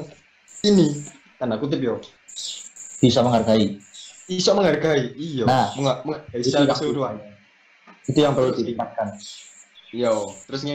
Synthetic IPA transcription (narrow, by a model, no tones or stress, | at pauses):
ini | kanakut̪̬ɪp̬̚jo̥ | b̥isaməŋɦarɡaiisaʔməŋharɡaiijonahməŋaməŋarɡaisiajasuduaɲa | it̪ujaŋpərlud̪it̪iŋkat̪̚kan | ijat̪əɾʊsɲa